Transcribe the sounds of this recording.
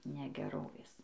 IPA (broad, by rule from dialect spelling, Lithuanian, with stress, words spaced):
nʲɛɡʲɛˈroːʋʲeːs